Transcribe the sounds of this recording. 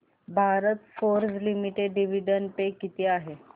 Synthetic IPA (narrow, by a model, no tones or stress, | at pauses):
bʱaɾət̪foɾd͡zlimiʈeɖːiʋ̤iɖənpekit̪iaɦe